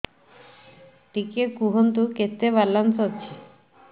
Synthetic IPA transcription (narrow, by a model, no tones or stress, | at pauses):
ʈikekuɦont̪uket̪ːeballːansɦotːt͡ʃʰi